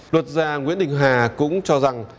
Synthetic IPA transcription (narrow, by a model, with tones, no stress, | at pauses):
lwə˨˩t̚zaː˧˩ŋi˧˥ənɗi˨˩ŋ̟ɦaː˨˩kʊ̰˧˥ŋ͡mt͡ɕɔ˧za˨˩ŋ